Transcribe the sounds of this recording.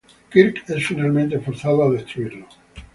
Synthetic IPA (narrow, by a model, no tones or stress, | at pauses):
kiɾkesfinalment̪efoɾθaðoaðest̪ɾuiɾlo